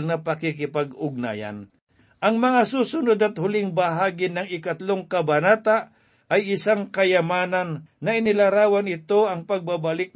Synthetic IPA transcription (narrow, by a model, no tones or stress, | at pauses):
lnɐpɐkikɪpaɡʊɡ̚na̰ːja̰n | ʔɐŋmɐŋasuːsʊnod̪ɐt̪hʊlɪŋbaɦaːɡɪnɐŋɪkat̪loŋkɐbɐnaːt̪aʔ | ʔɐjɪsaŋkɐjɐmaːnanːɐɪnɪlɐɾaːwanɪt̪oɐŋpɐɡ̚babalɪk̚